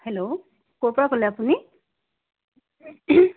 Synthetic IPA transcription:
helo | kopɹakoleapuni

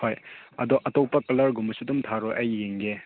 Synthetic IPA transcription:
ojɐdɔʔɐtɔpɐkɐlɐɾɡumɐsudumtʰaɾɔjʔɐjːeŋɡe

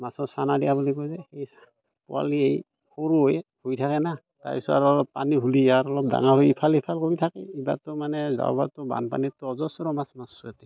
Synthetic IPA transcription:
masɔsanadijabulikojzɛxej | pɔ̰a̰liej | koɹujhojtʰakɛna | ta̰ɹpisɔaɾɔlɔppaniɦuliaɾɔlɔp̚da̰ŋaojipʰalipʰalkoɹitʰakɛ̰iba̰tʊmanɛza̰ʊbatʊba̰npa̰nitɔɔzɔsɔɾɔmasmasatɛ

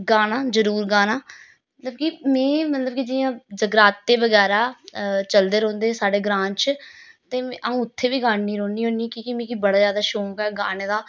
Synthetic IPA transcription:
ɡaːnaːzəɾuːɾɡaːnaː | mət̪ləbkiːmɛ̃ːmət̪ləbkiːd͡ʒɪjãːd͡ʒəɡɾaːt̪ːeːʋəɡɛːɾaːt͡ʃəld̪eːɾõːnd̪eːsaːɖeːɡɾãːnt͡ʃt̪ẽːʔəũːʊt̪ʰːeːʋiːɡaːnːiːɾõːniːɦõːniːkiːkimĩːkibəɽaːzjaːd̪aːʃõːkɛːɡaːneːd̪aː

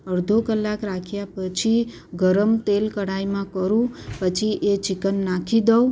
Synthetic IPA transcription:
əɾd̪ʱokəlːakɾakʰjapət͡ʃʰi | ɡəɾəmt̪elkəɽaimãkəɾũpət͡ʃʰiʔet͡ʃɪkənːakʰid̪əw

